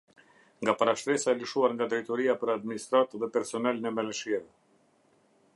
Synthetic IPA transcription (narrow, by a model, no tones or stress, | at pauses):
ŋɡapaɾaʃt̪ɾɛsaɛləʃuaɾŋɡad̪ɾɛjt̪ɔɾiapəɾad̪minist̪ɾat̪ðɛpɛɾsɔnalnɛmɛlɛʃiɛvɛ